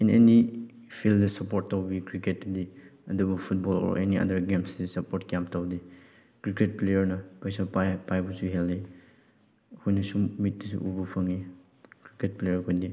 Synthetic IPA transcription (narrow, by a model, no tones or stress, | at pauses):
ineni | pʰildɐsɐpoɾtːawbikɾiket̚ːɐdiɐdubupʰut̚bolo̰ɾʔḛniɐ̰dɐɾɡemsdisɐpoɾtkjamtawdi | kɾiket̚plejɐɾnɐpajsapajpajbusuɦeldi | hojnɐsummit̚disṵʔubupʰɐŋi | kɾiket̚plejɐɾkʰojdi